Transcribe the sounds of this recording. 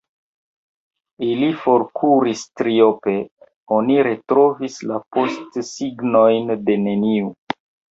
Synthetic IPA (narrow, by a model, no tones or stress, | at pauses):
ilifo̞ɾkʰuɾistɾio̞pe̞ | o̞niɾe̞tɾo̞vislapo̞stsiɡno̞jnde̞ne̞niu